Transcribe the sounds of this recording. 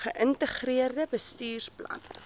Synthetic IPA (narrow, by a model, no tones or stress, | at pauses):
χəʔəntəχriərdəbəstyːrsplɐ̰n